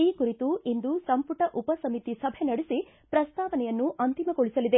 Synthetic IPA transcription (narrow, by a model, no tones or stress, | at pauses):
iːkuɾit̪uind̪usɐmpuʈɐʔupɐsɐmit̪isɐbʱenɐɽesi | pɾɐst̪aːʋɐnɛjɐnːuʔɐnt̪imɐɡoɭisɐlid̪e̞